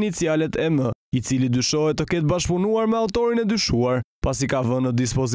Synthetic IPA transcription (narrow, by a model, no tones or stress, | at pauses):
nit͡sialɛt̪ɛməit͡silid̪yʃɔɦɛt̪ɔkɛt̪baʃpɔnuaɾmɛaut̪ɔɾinɛd̪yʃuaɾpas̬ikavənəd̪is̬pɔz